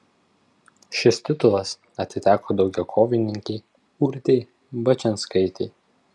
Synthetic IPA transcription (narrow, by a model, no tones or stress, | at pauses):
ʃʲɪst̪ʲɪt̪ʊlˠɐs | ɐt̪ʲɪt̪ʲæːkoːd̪ɒʊɡʲɛʊkʰoːʋʲɪnʲɪŋʲkʲɛɪ | uɾʲt̪ʲɛɪ | bɐt͡ʃʲɛnskɐɪt̪ʲɛɪ